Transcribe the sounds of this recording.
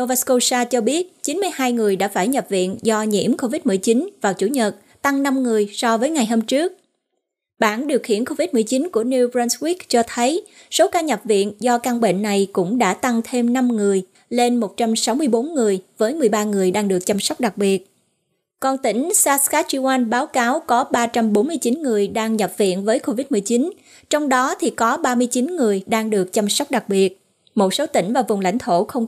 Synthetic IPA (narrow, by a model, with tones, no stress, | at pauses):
o˧va˦˥sko˧saː˧t͡ɕɔ˧ɓi˦˥ət̚t͡ɕi˨˦nmɨ˧jhaː˧jŋɨ˨˩əjɗa̰ː˧˥faː˧˩jɲə˨˩p̚vḭ˧˨ənzɔ˧ɲḭ˧˥əmko˧vi˦˥t̚mɨ˨˩jt͡ɕi˨˦nvaː˨˩wt͡ɕu˧˩ɲə˨˩t̚ | t̪a˧ŋna˧mŋɨ˨˩əjsɔ˧vəː˨˦jŋa˨˩jɦəː˧mt͡ɕɨ˦˥ək̚ | ɓaː˧˩nɗi˨˩əwxḭ˧˨ənko˧vi˦˥t̚mɨ˨˩ət͡ɕi˨˦nku˧˩əni˧wbɹɛ˧nswi˦˥kt͡ɕɔ˧t̪ʰə˨˦j | so˨˦kaː˧ɲə˨˩p̚vḭ˧˨ənzɔ˧ka˧ŋɓḛ˧˨nːa˨˩jkʊ̰˧˥ŋ͡mɗa̰ː˧˥t̪a˧ŋt̪ʰe˧mna˧mŋɨ˨˩əj | le˧nmo˨˩t̚t͡ɕa˧msa˨˦wmɨ˧əjɓo˨˦nŋɨ˨˩əjvəː˨˦jmɨ˨˩əjɓaː˧ŋɨ˨˩əjɗaː˧ŋɗɨ˨˩ək̚t͡ɕa˧msɔ˦˥wk͡p̚ɗa˨˩k̚ɓi˨˩ət̚ | kɔ˧nt̪ï˧˩ŋ̟saː˧skaː˦˥t͡ɕi˧wʔaː˧nɓaː˨˦wkaː˨˦wkɔ˨˦ɓaː˧t͡ɕa˧mɓo˨˦nmɨ˧əjt͡ɕi˨˦nŋɨ˨˩əjɗaː˧ŋɲə˨˩p̚vḭ˧˨ənvəː˨˦jko˧vi˦˥t̚mɨ˨˩jt͡ɕi˨˦n | t͡ɕɔ˧wŋ͡mɗɔ˨˦t̪ʰi˨˩kɔ˨˦ɓaː˧mɨ˧əjt͡ɕi˨˦nŋɨ˨˩əjɗaː˧ŋɗɨ˨˩ək̚t͡ɕa˧msɔ˦˥wk͡p̚ɗa˨˩k̚ɓi˨˩ət̚ | mo˨˩t̚so˨˦t̪ï˧˩ŋ̟vaː˨˩vʊ˨˩ŋ͡mla̰˧˥jŋ̟t̪ʰo˧˩xə˧wŋ͡m